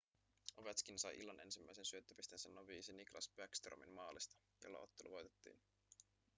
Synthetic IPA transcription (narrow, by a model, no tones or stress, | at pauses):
oʋæt̪skinsɑjʔḭlːɑnʔe̞̰nsimːæjse̞nsyøt̪ːøpist̪ensænːoʋiːsiniklɑ̰sbækst̪ro̰mḭmmɑːlist̪ɑ̥ | jo̰lːɑ̰o̞̰t̪ːeluʋojt̪e̞̥t̪ːḭːn